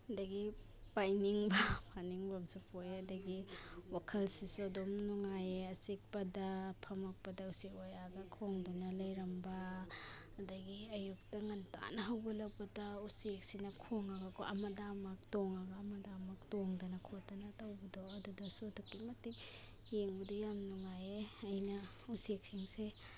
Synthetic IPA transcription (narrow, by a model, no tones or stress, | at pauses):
ɐdɐɡi | pajniŋbɐpʰaniŋbɐmsupʰojɐdɐɡiwakʰɐlsisuɐdomnuŋajeɐsik̚pɐdɐpʰɐmɐk̚pɐdɐusekojaɡɐkʰoŋdɐnɐlɐjɾɐmbɐː | dɐɡiɐjuk̚tɐŋɐnta̰nɐɦɐwbɐlɐk̚pɐdɐusek̚sinɐkʰoŋaɡakʰʔɐmɐdamak̚toŋaɡaːmɐdamak̚toŋdɐnɐkʰotɐnɐtawbɐdoɐdudɐsudukːimɐtik | jeŋbɐdujamnuŋajeɐjnɐ | usek̚siŋse